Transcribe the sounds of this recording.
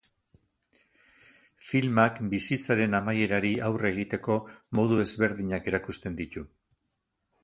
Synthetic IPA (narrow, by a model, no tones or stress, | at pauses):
filmakbisit͡saɾe̞namaje̞ɾaɾiʔawre̞ɣ̞it̪e̞ko̞mo̞ðue̞zβe̞ɾðiɲake̞ɾakust̪e̞nd̪it̪u